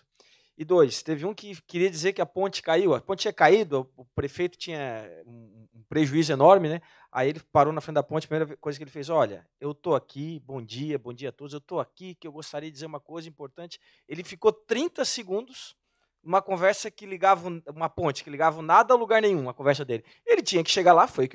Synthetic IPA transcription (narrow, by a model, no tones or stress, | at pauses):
ɪd̪ojst̪evɪũkɪkɪɾiɐd͡ʒizeɾkɪɐpõnt͡ʃɪ̥kaiwɐpõt͡ʃɪt͡ʃiɲɐkaid̪ʊɐʊpɾefejt̪ʊ̥t͡ʃĩɲɐũ | ũpɾeʒuizʊenɔɾmɪnɛ | a̰ielɪpaɾownɐfɾẽt͡ʃd̪ɐpõt͡ʃɪpɾimejɾɐvkojzɐkelɪfejzɔʎɐ̰ | ewt̪oakibõd͡ʒiɐbõd͡ʒiɐat̪od̪ʊzewt̪oakikɪewɡost̪aɾiɐd͡ʒɪd͡ʒizeɾũmɐkojzɐĩpoɾt̪ɐ̃nt͡ʃɪ̥ | elɪfikot̪ɾĩnt̪ɐseɡũnd̪ʊs | ũmɐkõvɛɾsɐkɪliɡavɐ̃ũmɐpõt͡ʃɪ̥kɪliɡavɐnad̪ɐawluɡaɾnẽj̃ũɐkõvɛɾsɐd̪elɪ | elɪt͡ʃĩɲɐkɪ̥ʃeɡalafojʊk